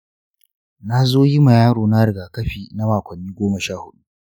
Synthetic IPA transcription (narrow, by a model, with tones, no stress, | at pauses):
na˦zoː˦ji˦ma˨jaː˦ɽoː˨na˦ɽɪ˨ɡaː˨kɐ˦ɸiː˨na˦maː˨kʷɐ˨nːiː˦ɡʷoː˦mɐ˨ʃaː˦˨hʊ˦ɗu˦